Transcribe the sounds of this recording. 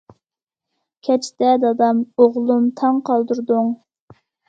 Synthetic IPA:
kʲʰɛt͡ʃʰt̪ɛd̪ɑd̪ɑmoʁlˠumt̪ʰɑŋqʰɑlˠd̪uɾd̪ʊŋ

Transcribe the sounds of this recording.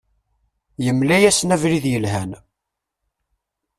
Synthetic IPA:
jəmlæjæsnævɾiðjəlɦæn

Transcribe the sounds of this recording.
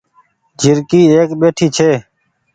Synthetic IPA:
d͡ʒʱɪɾkiːeːkɓeːʈʰiːt͡ʃʰeː

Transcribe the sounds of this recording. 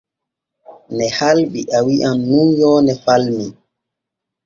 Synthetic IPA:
nɛhalɓiʔawiʔamnunjɔːnɛfalmi

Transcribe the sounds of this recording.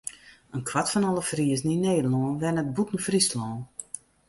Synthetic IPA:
ənkʰwatfɔnɔləfriəznineːdəlnoːənʋɛnət̚butən̩frislɔːn

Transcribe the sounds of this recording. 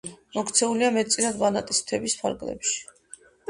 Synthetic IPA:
mɔkt̪sʰɛuliamɛt̪̚sʼiɾad̪banat̪ʼist̪ʰɛbispʰa̰ɾɡlɛ̰pʃi̥

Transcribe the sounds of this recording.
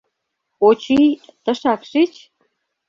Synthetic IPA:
ot͡ɕijt̪ə̆ʃɑkʃit͡ɕ

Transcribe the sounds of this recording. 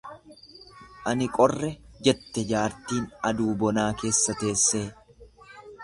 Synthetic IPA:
ʔɐnɪkʼɔrːɛd͡ʒɛt̪ːɛd͡ʒaːɾt̪iːnɐd̪uːbɔnaːke̞ːsːɐt̪e̞ːsːe̞ː

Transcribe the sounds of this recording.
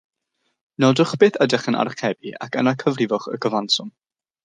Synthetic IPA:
nɔdʊχb̥eːθədɛχənʔa̰rχɛbiʔa̰kʰənakʰəvrɪvɔχə̰kʰəvansʊm

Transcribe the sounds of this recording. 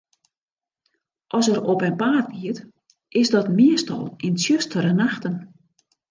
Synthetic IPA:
ʔɔsəɾopɛnpaːt̚ɡiət | ʔɪsdɔtmiəstɔ̰lˠɪnsjøstəɾənaxtən

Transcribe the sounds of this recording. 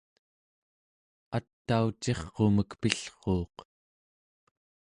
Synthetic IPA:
at̪ːaut͡ʃe̞χqo̞məkpiɬχoːq

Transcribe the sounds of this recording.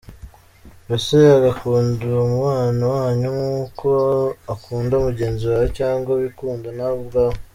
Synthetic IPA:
ɾaseaɡakuːndumuwaːnawaːɲumuːkoakuːndaumuɟe̞ːnziwacaːŋɡaβikuːndanauβɡaːho

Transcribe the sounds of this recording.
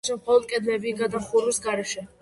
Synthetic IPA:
ʃɛmχɔlˠɔd̪̚kʼɛd̪lɛbiɡad̪aχuɾusɡaɾɛʃɛ

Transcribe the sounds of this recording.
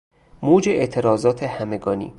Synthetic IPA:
moːd͡ʒeʔeʔt̪ʰeɾɒːzɒːt̪ʰehæmeɡɒːnḭː

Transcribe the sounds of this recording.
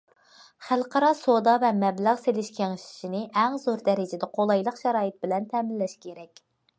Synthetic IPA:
χælˠqɑɾɑsod̪ɑvɛmɛblæʁselɪʃkʲʰeŋɪʃi̥ʃinɪʔɛŋzoɾd̪ɛɾɪd͡ʒɪd̪ɛqʰolˠɑjlˠəqʃɛɾɑːjɨt̪̚bɪlɛnt̪ʰɛmɪlːɛʃkʲʰeɾɛkʲ

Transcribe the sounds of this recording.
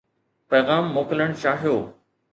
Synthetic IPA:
pɛːɣaːmːoːkɪləɽ̃t͡ɕaːɦijoː

